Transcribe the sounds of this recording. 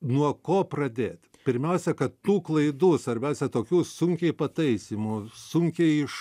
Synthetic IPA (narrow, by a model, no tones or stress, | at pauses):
nuɔkoːprɐd̪ʲeːt̪ʲ | pʲɪɾʲmʲɛʊsʲɛkɐtt̪uːklˠɐɪd̪uːsʋɐɾʲbʲɛʊsʲɛt̪oːkʲuːsʊŋʲkʲɛɪpɐt̪ɐɪsʲimusʊŋʲkʲɛɪɪʃ